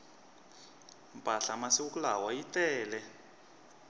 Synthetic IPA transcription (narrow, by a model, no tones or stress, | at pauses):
mpʼaɬamasiukulawajitɛːlɛ